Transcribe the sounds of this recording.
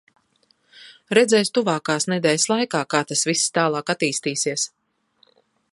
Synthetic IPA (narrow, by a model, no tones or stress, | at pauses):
ɾɛd̪zɛjst̪uvaːkaːsnɛd̪ɛːlʲslˠajkaːkaːt̪asvisst̪aːlˠɑːkat̪iːst̪iːsiɛs